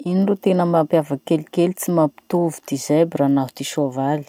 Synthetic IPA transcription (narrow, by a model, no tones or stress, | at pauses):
inirut̪enəmampjavəkelikelit͡simapi̥t̪ovud̪̥izajbiranaɦu̥t̪iʃovali̥